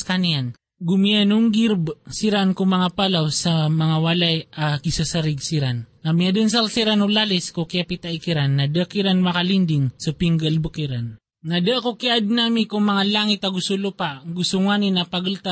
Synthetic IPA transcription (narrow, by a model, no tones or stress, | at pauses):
kanian | ɡumianʊŋɡiɾbsiɾankuŋmɐŋapalawsamɐŋawalajakisasaɾiɡsiɾanːamiad̪əns̬alsiɾanolaliskukiapit̪aʔikiɾanːadəʔkiɾanmakalind̪iŋsapiŋɡalbukiɾanː | adəʔkokiʔad̪̚namikuŋmɐŋalaŋit̪aɡusulupaɡusuŋaninapaɡult̪a